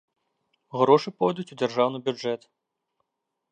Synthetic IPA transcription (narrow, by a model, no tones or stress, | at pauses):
ɣɾɔʂɨpɔjd̪ut͡sʲud͡zʲarʐawnɨbʲud͡ʐɛt̪